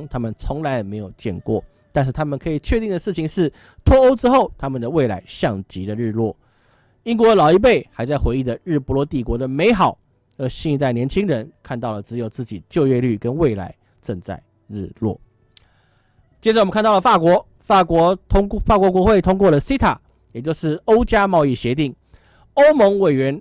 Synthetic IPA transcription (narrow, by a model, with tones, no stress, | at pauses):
ŋt̪ʰa˥mə˨nt͡sʰʊ˧˥ŋla˧˥ɪ˨˩me˧˥ɪjo˨˩ʊt͡ɕjɛ̰˥˧nkwɔ̰˥˩ | t̪a˥˧nʂ̬ɻ̩˥˩t̪ʰa˥mə˨nkʰɤ˧˥i˨˩t͡ɕʰɥɛ˥˧t̪i˥˩ŋd̪ə˩ʂɻ̩ʰ˥˩i˨ŋʂɻ̩˥˩ | t̪ʰwɔ˥o˥ʊʈ͡ʂɻ̩˥xo˥˩ʊt̪ʰa˥mə˨nd̪ə˩we˥˩ɪla̰˧˥ɪɕjɑ˥˩ŋt͡ɕi˧˥d̪ə˨ɻɻ̩˥˧lwɔ˥˩ | i˥ŋkwɔ˧˥˧lɑ˨˩ʊi˥˩p̬e˥˩ɪxa˧˥ɪt͡sa˥˩ɪxwe˧˥ɪi˥˩d̪ə˩ɻɻ̩˥˩pu˧˥lwɔ˧˥t̪i˨˩kwɔ˧˥d̪ə˨me˧˥ɪxɑ˨˩˦ʊ | ə˞˧˥ɕɛ˥˧˥t͡sa˥˩ɪnjɛ˧˥nt͡ɕʰi˥ŋɻə˧˥nkʰa˥˧nt̪ɑ˥˩ʊlə˩ʈ͡ʂɻ̩˧˥jo˨˩ʊt͡sɹ̩˥˩t͡ɕi˨˩t͡ɕjo˥˧ʊɥɛ˥˧ly˥˩kə˦nwe˥˩ɪla̰˧˥ɪ | ʈ͡ʂə˥˧ŋt͡sa̰˥˩ɪ | ɻɻ̩̰˥˧lwɔ̰˥˩ | t͡ɕjɛ˥ʈ͡ʂm˨˦kʰa˥nt̪ɑ˥˩ʊlə˩fa˥˩kwɔ˧˥ | fa˥˨˩kwɔ˧˥fa˥˩kwɔ˧˥k̬wɔ˧˥xwe˥˩ɪt̪ʰʊ˥ŋk̬wɔ˥˩lə˨˩si˥t̪ʰa˨˩˦ | jɛ˨˩t͡ɕjo˥˧ʊʂɻ̩˥˩o˥ʊt͡ɕja˥mɑ˥˧ʊi˥˩ɕjɛ˧˥t̪i˥˩ŋ | o˥ʊmɤ˧˥ŋwe˨˩ɪɥɛ˧˥n